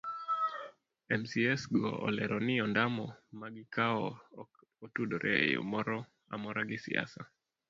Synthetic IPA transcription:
ɛmsiɛsɡɔ̰ʔɔ̰lɛɾʔɔnɪɔndamɔmaɡɪkʰaɔ | otudoɾʔɛ̰ḛjo̰mɔɾɔ | a̰mɔɾaɡɪsɪa̰sa

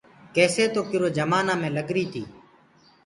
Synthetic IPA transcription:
keːseːt̪oːkɪɾoːd͡ʒəmaːnãːmẽːləɠɾiːt̪ʰiː

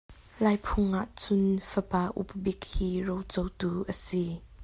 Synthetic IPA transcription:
laːjpʰʊŋʔaʔt͡sʊnfəpaːʔṵp̚bik̚hiːrowt͡sowt̪uːʔəsi

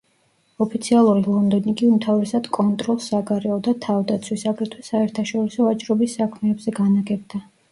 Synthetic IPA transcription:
ɔpʰit̪sʰialˠuɾilˠɔnd̪ɔniɡiumt̪ʰavɾɛsad̪̥kʼɔnt̪ʼɾɔlˠsaɡaɾɛɔd̪at̪ʰavd̪at̪sʰwisaɡɾɛt̪ʰwɛsaɛɾt̪ʰaʃɔɾisɔat͡ʃʼɾɔbisːakʰmɛːbzɛɡanaɡɛb̚d̪a

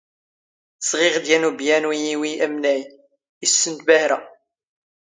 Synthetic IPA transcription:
sʁɪʁd̪jænubjænwijiwiæmnæj | əsːənt̪bæhɾæ

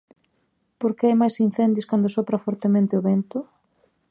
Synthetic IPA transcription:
poɾkeajmajsin̟θɛnd̪joskand̪ʊsɔpɾɐfɔɾt̪emẽnt̪ɪʊβent̪ʊ

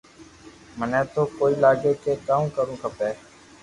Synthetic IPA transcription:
mənɛ̃ːt̪oːkoːiːlaːɡeːkeːkaːũːkəɾũːkʰəpeː

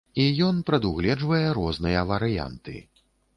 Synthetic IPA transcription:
ijɔnpɾɐd̪uɣlʲɛd͡ʐvɐjɛɾɔznɨjɐvɐɾɨja̰nt̪ɨ̰

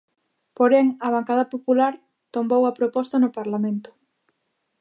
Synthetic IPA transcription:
poɾɛŋɐβ̞aŋkað̞ɐpopulaɾ | t̪ombowɐpɾopɔst̪ɐnʊpaɾlamẽnt̪ʊ̥

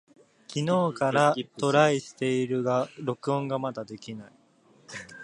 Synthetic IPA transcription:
kʲino̞ːkaɾat̪o̞ɾaiɕi̥t̪e̞iɾɯ̟ɡaɾo̞kɯ̟õŋɡamad̪ad̪e̞kʲinai

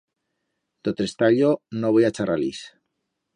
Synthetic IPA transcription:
d̪̥ot̪est̪aʎonoβojat͡ʃaɾalḭs

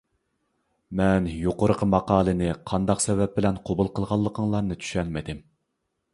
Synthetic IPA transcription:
mɛnjoqoɾəqʰəmɑqɑːlˠɨnɪqʰɑnd̪ɑqsɛvɛp̚bɪlɛnqʰobulˠqʰəlˠʁɑlˠːəqʰəŋlˠɑɾnɨt̪ʰy̥ʃɛnmɪd̪ɪm

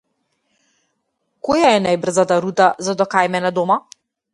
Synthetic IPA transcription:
kɔjaɛnajbr̩zat̪aɾut̪azad̪ɔkajmɛnad̪ɔma

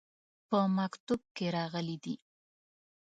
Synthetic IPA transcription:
pəmakt̪ub̚keɾɑɣəlid̪i

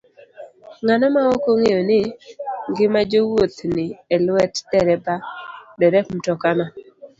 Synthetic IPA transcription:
ŋanɔmaɔkoŋejonɪŋɡɪmad͡ʒowot̪nɪelwɛtdɛɾɛbadɛɾɛm̩tɔkana

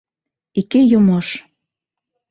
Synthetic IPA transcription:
ikejomɑʃ

